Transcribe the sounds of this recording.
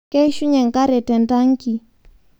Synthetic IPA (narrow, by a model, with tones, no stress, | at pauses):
kɛ˦ʃu˦ɲɛ˨ŋka˦ɾɛ˨tɛ˨nda˦ŋ˦ki˨